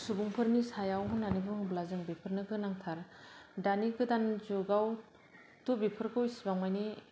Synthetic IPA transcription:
subuŋpʰɯɾnisajawɦunːanibɯŋblazɯŋbipʰɯɾnɯɡɯnaŋtʰaɾdaniɡɯdanzuɡaw | tubipʰɯɾkʰɯwjsibaŋmajni

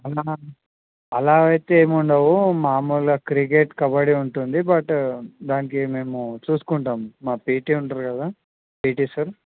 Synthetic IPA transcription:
ɐlaː | ɐlaːɡɐjt̪eːmuɳɖɐwumaːmulɐkɾik̬eːʈkɐbɐɽiuɳʈund̪ibɐʈd̪aːnikime̞ːmut͡ʃuːsu̥kuɳʈaːmːaːpiːʈiːuɳʈaɾkɐd̪aː | piːʈisɐɾ

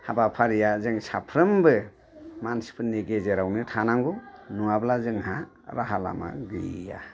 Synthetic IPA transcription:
habapʰaɾijazɯŋsapʰɾɯmbɯ | mansi̥pʰɯniɡezeɾawnɯtʰanaŋɡɔnuablazɯŋha | ɾaɦala̰ma̰ɡɯja̰

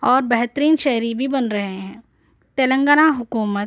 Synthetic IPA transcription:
ɔːɾbɛɦt̪ɾiːnʃɛɦɾibʱibɐnɾɐɦeɦɛ̃ː | t̪eːlə̃ŋɡənaɦʊkuːmət̪

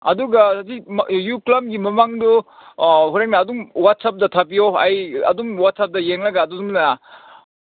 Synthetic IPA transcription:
ɐ̰duɡɐtijuklɐb̚ɡimɐmaŋdu | ɦuɾeknaːdumwat̚sap̚dɐtʰɐp̬ijoɐjɐ̰dumwat̚sap̚dɐjeŋlɐɡaːdusumnɐna

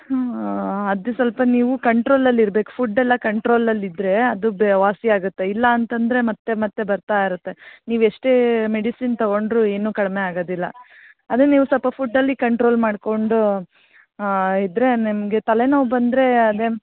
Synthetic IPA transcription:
ɐd̪usʋɐlpɐniːʋukɐɳʈɾo̞ːlɐlːiɾbe̞ːku̥pʰuɖɛlːɐkɐɳʈɾo̞ːlɐlːid̪ɾe̞ɐd̪ubʋaːsiaːɡut̪ːe̞ilːɐːnt̪ɐnd̪ɾe̞mɐt̪ːe̞mɐt̪ːe̞bɐɾt̪aːiɾut̪ːe̞niːʋueʂʈemeɽisint̪ɐɡo̞ɳɖɾue̞ːnuːkɐɽmeaːɡoːd̪ilːɐ̰ | ɐd̪eniːʋusɔlpɐpʰuɖːɐlːikɐɳʈɾo̞ːlmaːɖko̞ɳɖu | id̪ɾe̞nimɐɡe̞t̪ɐle̞nɐːʋubɐnd̪ɾe̞ɐd̪e

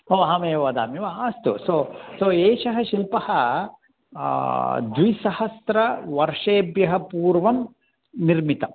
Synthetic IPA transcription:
ɦoːɦɐmeːɐʋɐd̪a̰ːmiʋɐaːst̪usosoːeːʃɐɦɐ̆ʃilpɐhɐ | d̪ʋisɐhɐsɾɐʋɐɾʂeːbjɐɦɐpuːɾʋɐm | niɾmit̪ɐ

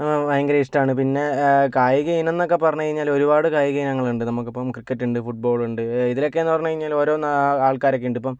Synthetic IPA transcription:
ɐjɐŋɡɐɾɐisʈaːɳɨpinːe̞kaːjiɣɐjinenːo̞k̬ːe̞pːɐrɐɲːukɐɻiɲːaːlo̞ɾubaːɽɨkaːjiɣɐjinɐŋːɐɭuɳɖɨnɐmukːipːɐmkrikːɐʈːuɳɖɨfuʈ̚bo̞ːɭuɳɖɨiðilo̞kːe̞enːɨpɐrɐɲːukɐɻiɲːaːlo̞ːɾo̞ːnaːɭkaːɾokːeuɳɖipːom

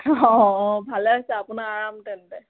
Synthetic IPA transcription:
ɔ̃ɔ̃bʱalɛasɛapunaaɹamtɛntɛ

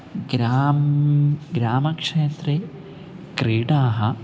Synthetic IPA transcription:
ɡɾaːmɡɾaːmɐkʂeːt̪ɾeː | kɾiːʈaːɦɐ

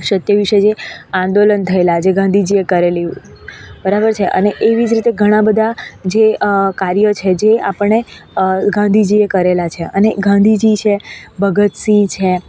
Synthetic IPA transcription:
ʃət̪jəʋiʃəd͡ʒeãnd̪olənt̪ʰəelad͡ʒeɡãnd̪ʱid͡ʒiekəɾeliu | bəɾabəɾt͡ʃʰeʔə̰neʔeʋid͡ʒɾit̪eɡʱəɽ̃ãbəd̪ʱad͡ʒekaɾjət͡ʃʰed͡ʒea̰pəɳɳeɡãnd̪ʱid͡ʒiekəɾelat͡ʃʰeʔəneɡãnd̪ʱid͡ʒit͡ʃʰebʱəɡət̪sĩt͡ʃʰe

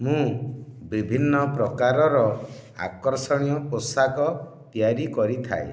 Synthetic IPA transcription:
mũbibʱinːɔpɾɔkaɾɔɾɔ | a̰kɔɾsɔɽ̃ijɔposakɔ | pjaɾikɔɾit̪ʰa̰ḛ

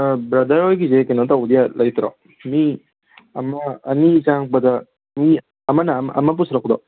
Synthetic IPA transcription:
bɾɐd̪ɐɾojɡizekenɔt̪aud̪ijalʔɐjt̪ɾɔ̰ | mi | ɐmɐːnizaŋbɐd̪a | mi | ɐmɐnɐmɐ̰mɐp̬usɾakd̪ɔ

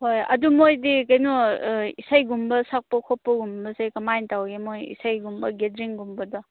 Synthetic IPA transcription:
hojɐ̰dumojdikɐjnuisajɡumbɐsak̚pɐkʰopːɐɡumbɐsajkɐmajntawɡemojḭsajɡumbɐɡedɾiŋɡumbɐdɔ

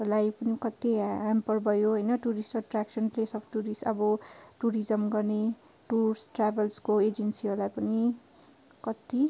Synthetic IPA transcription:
lajpʌnikʌt̪iampʌrbʱʌjoɦʌjnʌʈuɾisʌʈraksʌnplesʌpʰʈuɾisʌbʌʈuɾid͡zʌmɡʌrne | ʈursʈrabʌlskoed͡zensiɦoɾlajpʌni | kʌt̪i

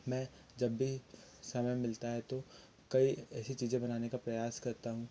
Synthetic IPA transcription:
mɛ̃ː | d͡ʒɐbːisɐməjmɪlt̪aɦɛt̪o | kɐiɛːsit͡ʃiːzẽbɐnaːnekapɾɐjaːskɐɾt̪aɦũː

